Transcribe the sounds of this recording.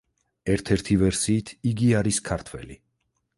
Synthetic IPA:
ɛɾt̪ʰɛɾt̪ʰivɛɾsiːt̪ʰiɡiaɾiskʰaɾt̪ʰwɛ̰li

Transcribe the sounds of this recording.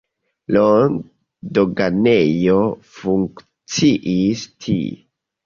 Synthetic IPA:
lon | doɡanejofuŋk | t͡siʔistʰḭ

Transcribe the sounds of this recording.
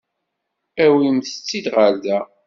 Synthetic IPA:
æwimθət͡sːid̪ʁəɾðæ

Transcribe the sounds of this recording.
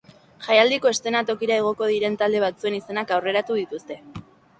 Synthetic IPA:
ʝajald̪iko̞e̞st̪e̞nat̪o̞kiɾae̞ɣ̞o̞ko̞ð̞iɾe̞nt̪ald̪e̞β̞at͡sue̞nise̞nakawre̞ɾat̪uð̞it̪ust̪e̞

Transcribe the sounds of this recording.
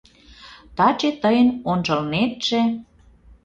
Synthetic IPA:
t̪ɑt͡ɕet̪əjənonʒɤ̆lnet̪ʒ̥ĕ

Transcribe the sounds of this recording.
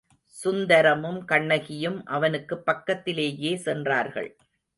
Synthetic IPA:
sʊnd̪ɐɾɐmɯmkɐɳːɐɣɪjɯmʔɐʋɐnɯkːɯpːɐkːɐt̪ːɪleːjeːsɛndraːɾɣɐ̰ɭ

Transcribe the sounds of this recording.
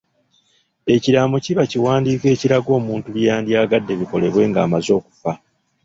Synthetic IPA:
e̞ciɾaːmociβaciwaːndiːke̞ːciɾaɡo̞ːmuːntuβjaːndjaːɡadːe̞βiko̞le̞βwe̞ːŋɡaːmazo̞ːku̥fa

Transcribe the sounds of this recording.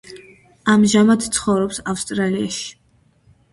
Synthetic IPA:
amʒamat̪t̪sʰχɔvɾɔpsafst̪ʼɾalia̰ʃi̥

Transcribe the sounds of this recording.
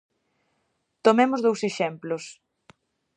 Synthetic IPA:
t̪omemʊzðowseʃɛmplʊs

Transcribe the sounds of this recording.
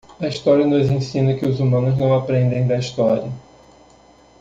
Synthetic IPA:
ɐist̪ɔɾiɐnʊzẽsĩnɐkɪʊzumɐ̃nʊznɐ̃w̃apɾẽnd̪ẽj̃d̪ɐist̪ɔɾiɐ

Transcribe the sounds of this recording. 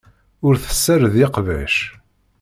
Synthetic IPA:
ʊɾθə̥sːəɾðɪqvæ̰ʃ

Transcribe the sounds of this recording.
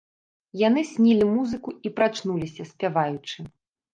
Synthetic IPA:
jan̪ɨsʲnʲilʲimuzɨkuipɾat͡ʂnulʲisʲɐsʲpʲavajut͡ʂɨ

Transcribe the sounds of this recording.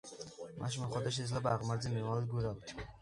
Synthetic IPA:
mʔa̰ʃ̬maχɔd̪aʃ̬ɛzlɛbaːʁmaɾd̪zimiɾmalɛd̪̚ɡuɾabt̪ʰ

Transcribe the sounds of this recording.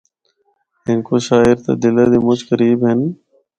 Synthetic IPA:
ɪnkoʃaːɪɾt̪a̰ːd̪ɪlad̪iːmʊt͡ʃkəɾiːbɦɪn

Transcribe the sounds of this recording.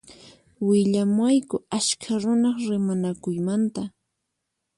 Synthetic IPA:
wɪʎamwajkʊaskʰaɾʊnɑχɾɪmanakʊjmant̪a

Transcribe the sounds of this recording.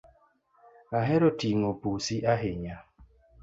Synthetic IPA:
aɦɛɾotiŋopusiʔaɦeɲa

